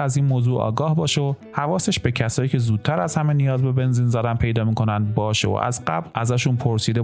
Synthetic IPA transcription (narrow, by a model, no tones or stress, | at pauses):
æziːnmoːzuːʔɒ̰ːɡɒːhbɒːʃeohævɒːse̞ʃbe̞cʰæsɒːjiːcʰe̞zuːd̪̚t̪ʰːæɾæz̥hæme̞nijɒːzbe̞be̞nziːnzæd̪ænpʰe̞jd̪ɒːmikʰo̞nænd̪̚bɒːʃḛo̰ʔæ̰zɢæblʔæzæːʃunpʰoɾsiːd̪e